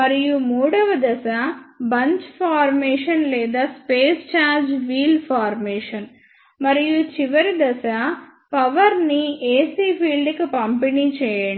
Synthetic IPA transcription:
mɐɾijumuːɽɐʋɐd̪ɐsɐbɐɲt͡ʃpʰaːɾmɛːʂɐnlɛːd̪aːspeːst͡ʃaːɾd͡ʒʋiːlpʰaːɾmeːʂɐn | mɐɾijut͡ʃiʋɐɾid̪ɐsɐ | pɐʋɐɾnieːsiːpʰiːlɖikipɐmpinit͡ʃɛːjɐɳ

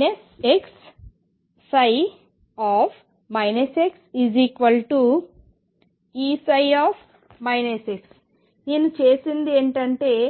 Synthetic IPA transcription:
neseksː | ɐj | aːfʰ | mɐjneseksiːziːkʋɐlʈu | iːsɐjaːf | mɐjneseks | neːnut͡ʃeːsind̪ieːɳʈɐɳʈe̞ː

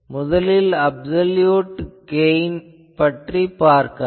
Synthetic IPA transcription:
mʊðɐlɪlɐbsɐljuːʈɡeɪn | pɐʈripaːɾkɐ

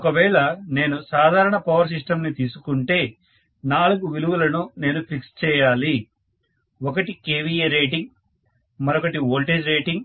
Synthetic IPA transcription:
ɔkɐʋɛːɭɐne̞ːnusaːd̪ʱaːɾɐɳɐpɐʋɐɾs̬iʂʈɐmnit̪iːsukuɳʈe̞ː | naːluɡuʋiluʋɐlɐnune̞ːnupʰikst͡ʃɛːjaːli | ɔkɐʈikeːʋijeɾeːʈiŋɡ | mɐɾɔkɐʈioːlʈeːd͡ʒɾe̞ːʈiŋɡ

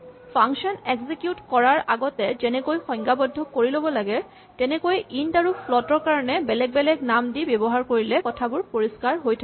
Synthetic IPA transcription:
pʰaŋsɔnɛɡzikjutkɔɹaɹaɡɔtɛzɛnɛkojxɔ̃jŋɡabɔdʱːɔkoɹilobɔlaɡɛ | tɛnɛkojʔindaɹupʰlɔtɔɹkaɹɔnɛbɛlɛk̚bɛlɛknamdibjɔbɔɦaɹkoɹilɛkɔtʰabʊɹpoɹiskaɹɦojtʰak

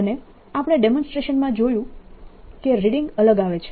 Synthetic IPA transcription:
əne | apəɽ̃eɖemɔ̃nsʈɾeʃənmãd͡ʒojũ | keɾiɽĩŋɡələɡaʋet͡ʃʰe̥

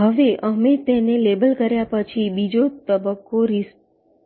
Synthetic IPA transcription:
ɦəʋeʔəmet̪enelebəlkəɾjapət͡ʃʰibid͡ʒot̪əbəkːoɾis

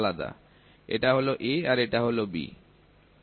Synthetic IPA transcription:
lad̪a̰ | ḛʈaɦoloʔeaɾeʈaɦolobḭ

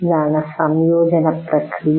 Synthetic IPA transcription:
d̪aːnɐsɐmjoːd͡ʒɐnɐpɾɐkɾij

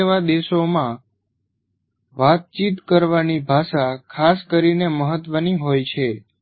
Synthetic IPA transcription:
eʋad̪eʃomã | ʋat̪̚t͡ʃit̪kəɾʋanibʱaʃakʰaskəɾineməɦət̪ʋəniɦojt͡ʃʰe

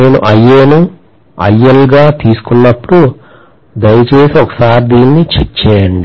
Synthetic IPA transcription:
ne̞ːnṵʔɐjːeːnu | ɐ̰jːɐlɡaːt̪iːsu̥kunːɐpːuɽu | d̪ɐjɐt͡ʃeːsiɔkɐ̥saːɾd̪iːnːit͡ʃet͡ʃːeːɐɳɖi

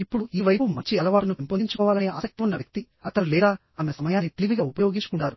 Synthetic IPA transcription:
ipːuɽuiːʋɐjpumɐɲt͡ʃːiɐlɐʋaːɽɐnuʋemponiɲt͡ʃu̥kɔːʋaːlɐneːʔaːsɐk̚t̪iunːɐʋjɐk̚t̪i | ɐt̪ɐɾulɛːd̪aː | aːmesɐmɐjaːnːit̪eliʋiɡaːupɐjo̞ːɡiɲt͡ʃu̥kuɳɖaːɾu

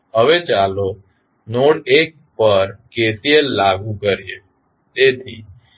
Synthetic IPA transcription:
ɦəʋet͡ʃalo | noɽek̚pəɾkesielaɡũkəɾijḛ | t̪et̪ʰḭ

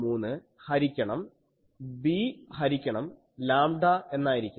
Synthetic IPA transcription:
muːnːɨ | hɐɾikʲːɐɳɐm | bihɐɾikʲːɐɳɐm | laːmɖɐe̞nːaːjiɾikʲːu

